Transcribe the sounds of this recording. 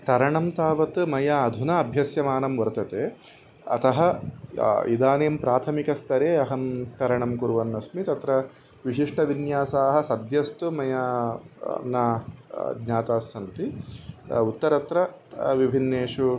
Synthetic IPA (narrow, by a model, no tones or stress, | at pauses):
t̪ɐɾɐɳɐmt̪aːʋɐt̪mɐjaɐd̪ʱunɐːbʱjɐsjɐmaːnɐmʋɐɾt̪ɐt̪eː | ɐ̰t̪ɐɦɐ | id̪aːneːmpɾaːt̪ʰɐmikɐst̪ʰɐɾeːɐɦɐmt̪ɐɾɐɳɐmkuɾʋɐnːɐsmit̪ɐt̪ɾɐ | ʋiʃiʂʈʰɐʋinjaːsaːɦɐ̆sɐd̪jɐst̪umɐja | na | ɡɲaːt̪aːsɐnt̪i | ut̪ːɐɾɐt̪ɾɐ | ʋibʱinːeːʂu